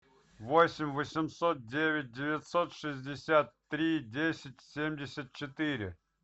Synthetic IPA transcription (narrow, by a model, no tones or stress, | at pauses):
vosʲɪmʲvəsʲɪmsot̪̚dʲevʲɪt̚ʲdʲɪvʲɪt̪ʲsot̪ʂɨzʲdʲɪsʲat̪ːɾʲidʲesʲɪtʲsʲemʲdʲɪsʲət̪̚t͡ɕɪt̪ɨɾʲɪ̰